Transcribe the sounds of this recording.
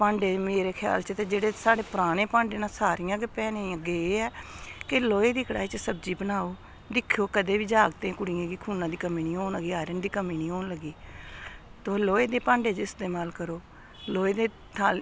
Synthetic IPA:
pãːɳɖeːmeːɾeːkʰja̰ːlt͡ʃt̪eːd͡ʒeːɽeːsaːɽeːpɾaːnẽːpãːɳɖeːnãːsaːɾijãːɡepɛːnẽːɡeːeːɛːkeloːeːd̪iːkəɽaːit͡ʃsəb̚d͡ʒiːbənaːoː | d̪ɪkʰːjoːkəd̪eːʋiːd͡ʒaːɡt̪ẽːkʊɽijãːɡiːkʰuːnãːd̪iːkəmiːniːɦoːnləɡiːaːɾənd̪iːkəmiːniːɦoːnləɡiː | t̪oːloːeːd̪eːpãːɳɖeːt͡ʃɪst̪eːmaːlkəɾoː | loːeːd̪eː | t̪ʰaːl

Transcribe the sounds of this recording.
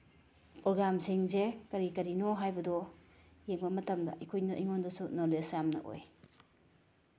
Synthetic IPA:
pɾɔɡɾamsiŋzekɐɾikɐɾinɔɦajbɐdɔjeŋbɐmɐtɐmdɐ̰ʔikʰojnɐʔiŋondɔsunɔlesjamnɐ̰ʔo̰j

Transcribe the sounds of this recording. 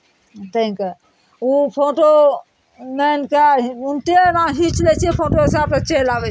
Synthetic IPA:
t̪ʰĩke | upʰoʈo | menkeunt̪eɾãɦĩt͡ʃlɛt͡ʃʰɛpʰoʈoɦisab̚ket͡ʃelabɛt͡ʃʰ

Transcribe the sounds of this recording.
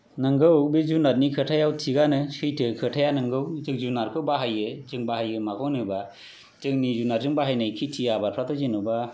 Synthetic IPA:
nɯŋɡɯwbizunat̚nikʰɯtʰajawtʰiɡanɯsɯjtʰɯkʰɯtʰajanɯŋɡɯwzɯk̚zunaɾkʰɯbaɦajɯzɯŋbaɦajɯmakʰɔnɯba | zɯŋnizunaɾzɯŋbaɦajnajkʰitʰijabaɾpʰɾatʰɔzinuba

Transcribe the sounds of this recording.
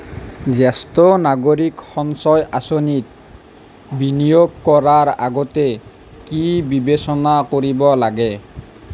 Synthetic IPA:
zɛstɔnaɡoɹikxɔŋsɔjʔasonit̪̚ | binijoɡkɔɹaɹa̰ɡɔtɛ | kibibesɔnakoɹibɔlaɡɛ

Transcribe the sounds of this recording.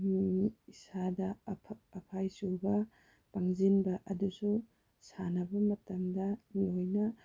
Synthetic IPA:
miisadɐɐpʰajsubɐ | paŋzinbɐʔɐdusu | sanɐbɐmɐtamdɐnojnɐ

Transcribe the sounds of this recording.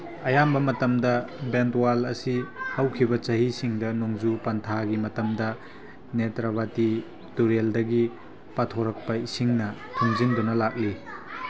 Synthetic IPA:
ɐjambɐmɐtɐmdɐbentwalɐsihawkʰibɐt͡ʃɐɦisiŋdɐnoŋzupɐntʰaɡimɐtɐmdɐ | netɾaβati | tuɾeldɐɡi | patʰoɾɐk̚pɐisiŋnɐtʰuŋzindunɐlak̚li

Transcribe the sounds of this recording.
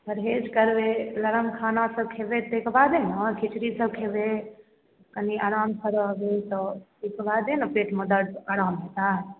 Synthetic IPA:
pəɾɦed͡ʒkəɾbeləɾəmkʰanasəb̚kʰebed̪ekʰbad̪enəkʰit͡ʃɾisəb̚kʰebe | kəniaːɾampʰəɾbet̪ɔsikʰbad̪enəpeʈməd̪əɽaːɾaːmɦet̪a

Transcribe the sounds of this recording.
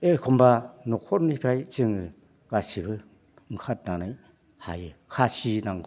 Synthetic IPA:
ekʰombanukʰoɾnipʰiɾajt͡sɯŋɯ | ɡ̥asibʰɯ | ŋ̩kʰat̚nanaj | ha̰jɯkʰasinaŋ

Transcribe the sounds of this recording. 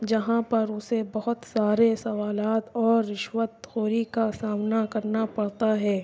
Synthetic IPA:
d͡ʒɐɦãpɐɾʊsebɐɦʊt̪saːɾesɐʋaːlaːt̪ɔːɾːɪʃʋət̪̚xoːɾikasaːmnakɐɾnapɐɽ̤t̪aɦɛː

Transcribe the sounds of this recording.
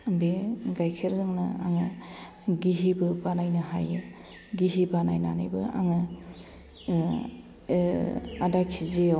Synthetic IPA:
beɡajkʰeɾzɯŋnɯ̰a̰ŋɯ | ɡiɦibɯbanajnɯɦa̰jɯ | ɡiɦibanajna̰najbɯa̰ŋɯ | adakʰize

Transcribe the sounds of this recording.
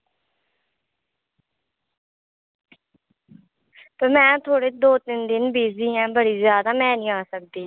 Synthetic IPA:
t̪əːmɛ̃ːt̪ʰoːɽeːd̪oːt̪ɪnd̪ɪnbiːd͡ʒd̪iːɦɛ̃ːbəɽiːzjaːd̪aːmɛ̃ːnĩːaːsək̚d̪iː

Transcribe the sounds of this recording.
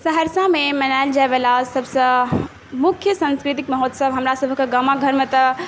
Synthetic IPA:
səɦəɾsãmemənajld͡ʒaebelasəbʱsə̃ | mukʰjəsə̃nskɾit̪ikməɦɔt̪səbɦəmɾasəbʱkeɡəmaɡʱəɾmet̪ə

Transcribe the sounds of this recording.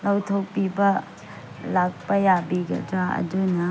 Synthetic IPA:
lawtʰok̚pibɐ | lak̚pɐjabiɡɐ̰dɾaɐ̰donɐ

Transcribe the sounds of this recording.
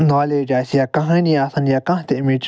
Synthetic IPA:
nãleɾasiakãɦãnĩasãniakãht̪emĩt͡ʃ

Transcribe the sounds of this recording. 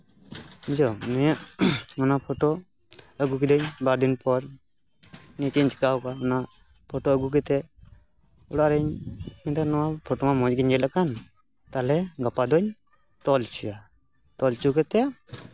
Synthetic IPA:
ɲd͡ʒɔmɛaɔnapʰɔʈo | əɡukid̪ɔɲbaɾd̪inpɔɾ | nit͡ʃiɲt͡ʃkawkaɔna | pʰɔʈoəɡuk̬ɛt̪ɛ | uɽaɾɛɲmɛt̪anɔwapʰɔʈomamɔ̃d͡ʒɡiɲɡɛlakan | t̪alɛɡapad̪ɔɲ | t̪ɔlt͡ʃua | t̪ɔlt͡ʃukɛt̪ɛa

